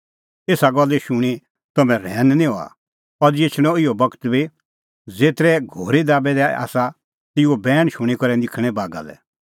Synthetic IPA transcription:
eːsaɡɔlːɛʃʊɽ̃i | t̪ɐmɛ̃ɾɛːnnĩɦoa̰ | ɔɾd͡ʒeːt͡ʃʰɽ̃ɔɪjɔbɐkt̪bi | d͡zeːt̪ɾɛɡʱoːɾid̪aːbɛd̪ɛa̰ːsa | t̪ɪobɛːɽ̃ʃʊ̃ɽ̃ikɔɾɛnd̪ɪkʰɽ̃ɛbaːɡa̰lɛ̰

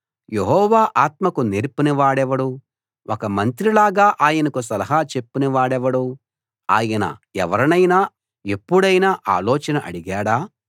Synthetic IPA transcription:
jeɦɔːʋaːʔaːt̪mɐkuneːɾpuniʋaːɽɛʋɐɽu | ʔokɐmɐnt̪ɾilaːɡaːʔaːjɐnɐkusɐlɐɦaːt͡ʃe̞pːuniʋaːɽɛʋɐɽu | aːjɐnɐ̰ɛʋɐɾɐnɐjnaː | e̞pːuɽɐjnaːʔa̰ːlɔːt͡ʃɐnɐʔɐ̰ɽiɡaːɽaː

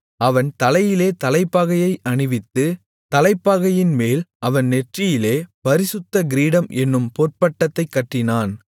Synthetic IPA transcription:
ɐʋɐnt̪ɐlɐjɪleːt̪ɐlɐɪpːaːɣɐjɐɪʔɐɳɯʋɪt̪ːɯ | t̪ɐlɐɪpːaːɣɐjɪnmeːlʔɐʋɐnnɛʈrɪjɪleːpɐɾɪsɯt̪ːɐɡɪɾiːɽɐmʔɛnːɯmpoːrpɐʈːɐt̪ːɐɪkːɐʈːɪnaːn

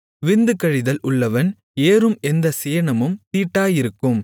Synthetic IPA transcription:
ʋɪnd̪ɯkːɐɻɪðɐlʊɭːɐʋɐn | eːɾɯmɛnd̪ɐsɪjɐɳɐmɯmt̪iːʈːaːjɪɾɯkːɯm

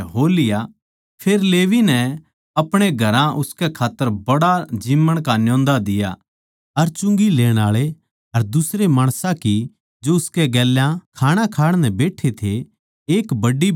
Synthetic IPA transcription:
ɦoːlɪja | pʰeːɾleːʋinɛ | ɐpɽ̃eɡʱɐɾãʔʊskɛkʰaːt̪ːəɾbɐɽad͡ʒiːmːəɽ̃kanjɔ̃ːnd̪ad̪ɪja̰ | ɐɾt͡ʃʊ̃ŋɡileːɽ̃aːɭe | ɐɾd̪ʊsɾemaːɽ̃sãki | d͡ʒoʊskeɡɛːljãkʰaːɽ̃ãkʰaːɽ̃nɛbeːʈʰet̪ʰe | eːkbɐɖːi

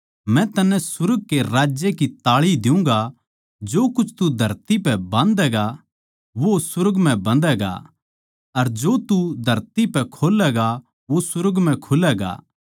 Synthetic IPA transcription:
mɛ̃t̪ɐnɛ̃sʊɾəɡ̚keɾaːd͡ʒjekit̪aːɭid̪ɪũŋ̆ɡa | d͡ʒoːkʊt͡ʃʰt̪ud̪ʱɐɾt̪ipɛbãːnd̪ɛːɡa | ʋosʊɾəɡmɛ̃bɐ̃nd̪ɛːɡa̰ | ɐɾd͡ʒoːt̪ud̪ʱɐɾt̪ipɛkʰoːlɛːɡa | ʋosʊɾəɡm̤ɛ̃kʰʊlɛːɡa̰ː

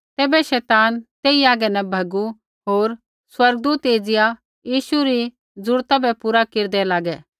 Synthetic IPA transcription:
t̪ɛːbɛʃɛːt̪aːnt̪eːiaːɡɛnɛbʱɐɡu | ɦoːɾ | swɐɾɡ̚d̪uːt̪eːd͡zɪja | jiːʃuɾi | d͡zʊɾt̪abʱɛpuɾakeːɾd̪ɛlaːɡɛ

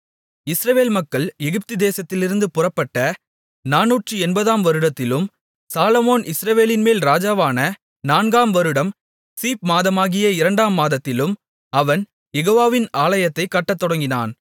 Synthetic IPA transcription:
ɪsɾɐʋeːlmɐkːɐɭɛɣɪp̚t̪ɯd̪eːsɐt̪ːɪlɪɾɯnd̪ɯpʊrɐpːɐʈːɐ | naːnuːʈrɯɛnbɐðaːmʋɐɾɯɽɐt̪ːɪlɯm | saːlɐmoːnʔɪsɾɐʋeːlɪnmeːlɾaːd͡ʒaːʋaːnɐ | naːnɡaːmʋɐɾɯɽɐm | siːp̚maːðɐmaːɣɪjɐɪɾɐɳɖaːmːaːðɐt̪ːɪlɯm | ɐʋɐn | jɛɣoːʋaːʋɪnaːlɐjɐt̪ːɐɪkːɐʈːɐt̪ːɔɽɐŋɡɪna̰ːn

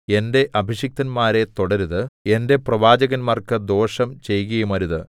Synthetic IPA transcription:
e̞nde̞ʔɐbʱiɕjɐk̚t̪ɐnmaːɾe̞t̪oɽɐɾuðɨe̞nde̞prɐʋaːd͡ʑɐɣɐnmaːrkɨd̪o̞ːʂɐmt͡ɕe̞jɣɐjumɐɾuðɨ

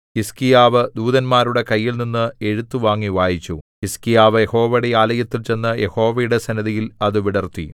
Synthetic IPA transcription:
kiskijaːʋɨd̪uːðɐnmaːɾuɽe̞kɐjːilninːɨe̞ɻut̪ːuʋaːŋːiʋaːjit͡ɕːukiskijaːʋɨjeho̞ːʋɐɽe̞jaːlɐjɐt̪ːilt͡ɕe̞nːɐje̞ho̞ːʋɐjuɽe̞sɐnɐðijilɐðɨʋiɽɐrt̪ːḭ

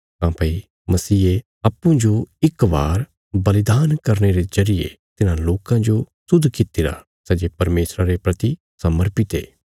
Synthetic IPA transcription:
ɦãːpɐi | mɐsiːe | ɐːpːũd͡ʒoɪkʋaːɾ | bɐlɪd̪aːnkɐɾneɾezɐɾɪjḛt̪ɪnãloːkãd͡ʒo | sʊd̪ʱkɪt̪iɾa̰ | sɛːd͡ʒepɐɾmeːsɾaɾepɾɐt̪i | sɐməɾpit̪ḛː

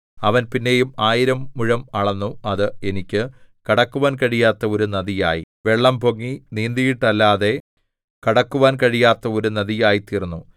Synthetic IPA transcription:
ɐʋɐnpinːe̞jumaːjiɾɐmːuɻɐmɐɭɐnːuɐðɨe̞nikʲːɨkɐɽɐkːuʋaːnkɐɻijaːt̪ːɐo̞ɾunɐðija̰ːjḭ | ʋe̞ɭːɐmpoŋːiniːnd̪ijiʈːɐlːaːðe̞ | kɐɽɐkːuʋaːnkɐɻijaːt̪ːɐo̞ɾunɐðijaːjit̪iːrnːu

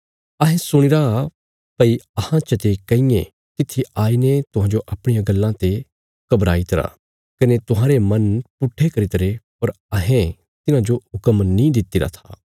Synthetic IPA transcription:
ɐɦɛ̃sʊɽ̃ɪɾa | pɐiɐhãt͡ʃɐt̪ekɐĩjẽ | k̪ɪt̪ʰːiaːinet̪ʊɦãːd͡ʒoʔɐːpɽ̃ijãɡɐlːãt̪e | kɐbɾa̰ːit̪ɐɾa̰ | kɐnet̪ʊɦãːɾemɐ̃npʊʈʰːekɐɾit̪ɾepɐɾ | ɐɦẽ | t̪ɪnãd͡ʒoɦʊkəmnĩd̪ɪt̪ɪɾa̰t̪ʰa̰ː

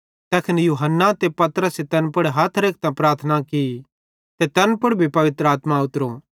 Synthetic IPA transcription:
t̪ɛːkʰɪnjuːɦənːat̪epɐt̪ɾəset̪ɐnpʊɽɦaːt̪ʰɾek̚ʰt̪ãpɾaːɾt̪ʰənakii | t̪et̪ɐnpʊɽbʱipɐʋɪt̪ɾəaːt̪maʊt̪ɾo

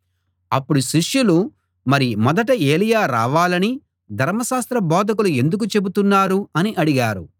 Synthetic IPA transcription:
ɐpːuɽuʃiʂjulu | mɐɾimɔd̪ɐʈ̬ɐeːlijaːɾa̰ːʋaːlɐni | d̪ʱɐɾmɐʃaːst̪ɾɐbɔːd̪ʱɐkulue̞nd̪uk̬ut͡ʃe̞but̪unːaːɾuɐniʔɐɽiɡaːɾu

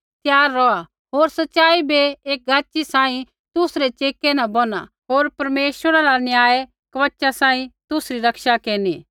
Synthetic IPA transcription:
t̪jaːɾːɔa | ɦoːɾsɐtːʃaːibeeːk̚ɡaːt͡ʃːisãːĩ | t̪ʊsɾet͡ʃeːkːenɐ̃bɔna̰ | ɦoːɾpɐɾmeːʃwəɾaɾanjaːe | kɐʋɐtːʃasãːĩt̪ʊsɾiɾɐkʃakeːniː

